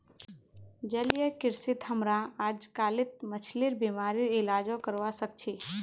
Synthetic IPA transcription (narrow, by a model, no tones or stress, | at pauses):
d͡ʒəlijəkɪɾsɪt̪həmɾaaːd͡ʒkaːlɪt̪̚mət͡ʃʰliɾbiːmaːɾiɾɪlaːd͡ʒõkəɾʋasək̚t͡ʃʰeː